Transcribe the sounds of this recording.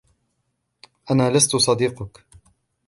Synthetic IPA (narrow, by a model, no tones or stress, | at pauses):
ʔanaːlast̪ʊsˤɑd̪iːqʊk